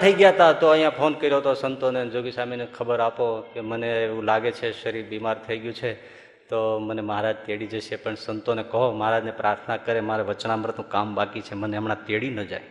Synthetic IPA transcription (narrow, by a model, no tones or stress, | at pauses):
t̪ʰəiɡjat̪at̪oəijãpʰonkəɾijot̪osənt̪oned͡ʒoɡisamenekʰəbəɾapokeməneːʋũlaɡet͡ʃʰeʃəɾiɾbimaɾt̪ʰəiɡjũt͡ʃʰe | t̪oməneməɦaɾad͡ʒt̪eɽid͡ʒəʃjepəɳsənt̪onekəɦoməɦaɾad͡ʒnepɾaɾt̪ʰnakəɾemaɾɛʋət͡ʃnaməɾət̪nũkambakit͡ʃʰeməneəmnat̪eɽinəd͡ʒa̰j